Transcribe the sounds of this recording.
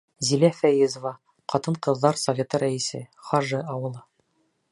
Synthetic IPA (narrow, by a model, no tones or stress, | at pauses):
zilæfæjɘzŏvɑ | qɑt̪ɤɴqɤ̆ðːɑɾsɐvʲe̞t̪ɤɾæisɘ̰χɑʒɤɑwɤ̆lˠɤ